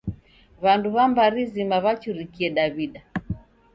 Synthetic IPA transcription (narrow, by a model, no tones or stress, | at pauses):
βanduβambaɾizimaβat͡ʃuɾikiɛɗaβiɗa